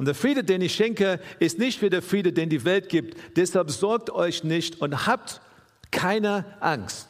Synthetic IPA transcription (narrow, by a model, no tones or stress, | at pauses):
ʊnd̥eːɐfʁ̥iːdədeːnɪçʃɛŋkəɪstnɪçtfiːɐdeːɐfʁ̥iːdədeːndiːvɛlt̚ɡ̥iːp̚td̥ɛshalpz̥ɔɐk̚tɔʏçnɪçtʊnthaːp̚t | kʰaɪnəʔaŋst